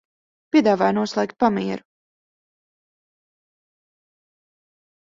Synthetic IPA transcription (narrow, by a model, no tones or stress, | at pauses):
pʲiɛd̪aːvaːjnuɔslˠɛːk̚t̪̚pamiɛɾu